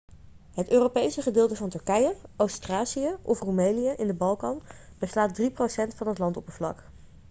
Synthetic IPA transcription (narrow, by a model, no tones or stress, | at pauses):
ɦətøːrowpejsəχədɪːlˠtəvɑntɵɹkɛjəowstraːsiəʔɔfrumejnijəʔɪndəbɑlˠkɑn | b̥əslaːt̚driprowsɛntfɑnɦətlɑntɔpənvlɑ̰k